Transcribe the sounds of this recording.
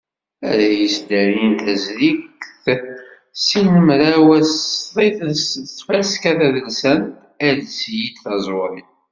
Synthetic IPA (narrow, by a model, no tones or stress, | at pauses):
æ̰ɾæjisd̪æɾint̪æzɾikθ | sinəmɾawæsðˤiθt͡sːfæskæθæðənsæn | ælsjid̪θɑzˤoɾi